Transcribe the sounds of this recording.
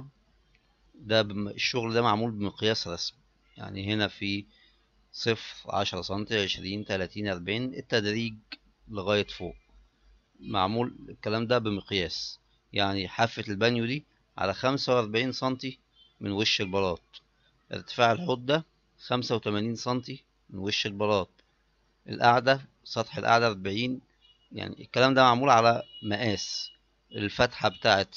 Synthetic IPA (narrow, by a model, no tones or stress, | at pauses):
d̪æbeʃːoɣld̪æmaʕmuːlbemɪqjæːsɾˤɑsmi | ja̰ʕniɦenæfi | sˤɨfɾʕa̰ʃɑɾˤɑsˤɑnt̪iʕeʃɾiːnt̪ælæːt̪iːnʔɑɾˤbaʕiːnet̪ːæd̪ɾiːɡ̚ | leɣæːjet̪fo̰ːʔ | ma̰ʕmuːlekːælæːmd̪æbemeqjæːs | jaʕniħafːet̪elbænjud̪iː | ʕa̰læxæmsæwʔɑɾˤbeʕiːnsˤɑnt̪i | menweʃːelbɑɾˤɑːt̪̚ˤ | ʔḛɾt̪e̥faːʕelħod̪ːæ | xæmsæwet̪æmæniːnsˤɑnt̪i | menweʃːelbɑɾˤɑːt̪̚ˤ | ʔḛlʔaʕd̪æ | sˤɑt̪ħelʔa̰ʕd̪æɑɾˤbeʕiːn | ja̰ʕnḭekːælæːmd̪æmaʕmuːlʕalæmæʔæːs | ʔelfæt̪ħabet̪aːʕet̪